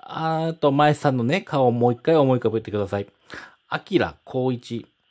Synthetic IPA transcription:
at̪o̞maessãnːo̞ne̞kʰaomoːikːaio̞mo̞ikabɯ̟t̪ːe̞kɯd̪asai | akʲiɾa̰kʰo̞ːit͡ɕi

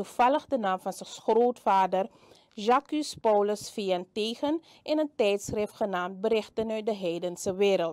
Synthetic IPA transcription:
uv̥ɑləχdənaːmfɑnsəχroːtfaːdər | ʒakyspɔwləsfiːənteːχən | ɪnəntɛjtsrɪftχənaːmt̚bəɾɪχtənœɥt̚dəɦɛjdənsəʋɪːɾəlˠt

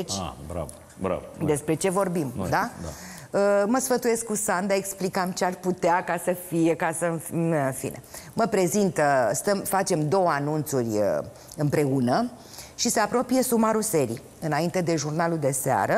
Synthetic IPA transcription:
t͡ʃa̰bɾa̰v | bɾa̰vd̪e̞spɾe̞t͡ʃe̞vo̞rbimd̪ad̪a | əməsfət̪uje̞skːusand̪ae̞ksplikamt͡ʃeaʃput̪eakasəfijekasənfnɨnfḭne̞̰məpɾe̞zint̪əst̪əmfat͡ʃe̞md̪o̞wəanunt̪surʲə | ɨmpɾe̞unə | ʃiseapɾo̞pije̞sumaɾuse̞ɾḭ | ɨnaint̪e̞d̪e̞ʒurnaluld̪e̞sea̰ɾə

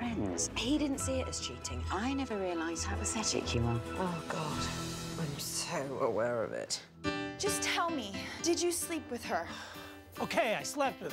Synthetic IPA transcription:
fɹɛ̃nz̥hidɪdⁿn̩tsiɪʔəz̥ʃʉˑtʰɪ̃ŋəaɪnɛvəɹiəlaɪz̥̚haʊʔəsɛt͡ʃɪ̰t͡ʃɨwə̃nʔoʊɡɑd̥ʔãɪ̃msoʊʔə̰wɛɹʌ̰vɪ̰t | d̥ʒ̥ʌstʰɛlˠmid̥ɨd͡ʒɨslipʰwɨð̥ə˞ | oʊkʰeɪaɪslɛp̚tɨ

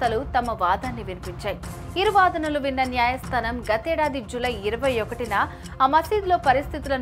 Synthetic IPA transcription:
ɐlut̪ɐmɐʋaːd̪ʱaːnːiʋinipiɲt͡ʃaːji | iɾuʋaːd̪ɐnɐluʋinːɐnjaːjɐst̪ʰɐnɐmɡɐt̪ɛːɽaːd̪id͡ʒulɐjiɾɐʋɐjɔkɐʈinɐ | mɐsiːd̪lo̞ːpɐɾist̪ʰit̪ulɐn

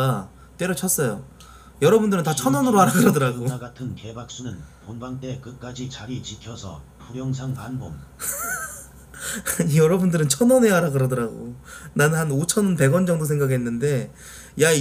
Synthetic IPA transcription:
a | t͈we̞ɾot͡ɕʰʌs͈ʌjo | jʌɾʌbundɯɾɯntat͡ɕʰʌnʌnɯɾoaɾaɡɯɾadʌɾaɡoɡatʰɯnkebak̚s͈unɯnponbaŋt͈e̞kɯk͈ad͡ʑit͡ɕaɾit͡ɕikʰjʌsʰʌ̰ | pʰuɾjʌŋsʰaŋpanbom | jʌɾʌbundɯɾɯnt͡ɕʰʌnʌne̞aɾaɡɯɾʌdʌɾaɡo̰nanɯnɦanot͡ɕʰʌnnpe̞ɡwʌnd͡ʑʌŋdos̬ʰe̞ŋɡaɡɦenːɯnde̞ | ja

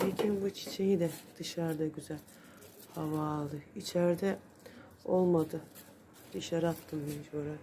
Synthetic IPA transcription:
ecʰinbut͡ʃʰi̥t͡ʃʰejid̪ɛd̪̥ɯʃaɾd̪aɟyzælʲ | havaːlˠɯit͡ʃʰæɾd̪ɛ | olˠmad̪ɯ | d̪iʃaɾat̪ʰːɯmbind͡ʒoɾa

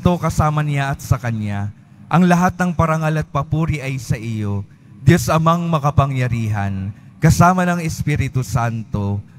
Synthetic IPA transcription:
t̪o̞kɐsaːmɐnɪjaɐt̪sɐkɐɲja | ʔɐŋlɐɦat̪̚nɐŋpɐɾɐŋalɐt̪̚pɐpuːɾɪʔɐjsɐʔɪjo̞ | d̪ɪjosɐmɐŋmɐkɐpɐŋjɐɾiːɦɐ̰n | kɐsaːmɐnɐŋɛspiɾɪt̪usant̪o̞

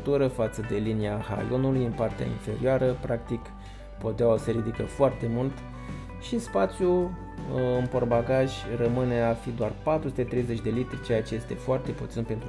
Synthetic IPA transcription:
t̪uɾəfat̪səd̪e̞liniaha̰jo̞nulujɨnpart̪ea̰ḭnfe̞̰ɾioaɾəpɾak̚t̪ik | po̞d̪aoseɾid̪ikəfoart̪e̞mult̪ | ʃispat̪sju | ɨmpo̞rbaɡaʒʲrəmɨne̞afid̪oarpat̪ɾusut̪et̪ɾe̞jze̞t͡ʃʲd̪e̞lit̪ɾit͡ʃe̞jat͡ʃe̞je̞st̪e̞foart̪e̞put̪sinpe̞nt̪

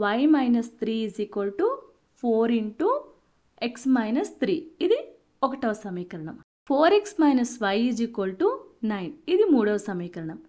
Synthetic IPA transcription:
ʋɐjmɐjnɐst̪ɾiːizikʋɐlʈu | pʰoːɾiɳʈu | eksmɐjnɐst̪ʰɾiːid̪i | ɔkɐʈːɐʋɐsɐmiːkɐɾɐɳɐm | fʰoːɾeksmɐjnɐsʋɐjid͡ʒikʋɐlʈunɐjnid̪imuːɽɐʋɐsɐmiːkɐɾɐɳɐm

